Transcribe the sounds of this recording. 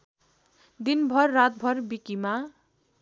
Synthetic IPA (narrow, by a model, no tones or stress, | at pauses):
d̪inbʱʌrːat̪̚bʱʌrbikima